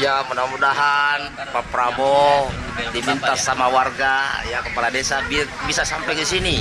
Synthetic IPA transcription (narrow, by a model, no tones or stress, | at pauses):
jamunamudaɦan | papɾabɔ | dimint̪asamawarɡajakəpaladɛsaibisasampɛkisini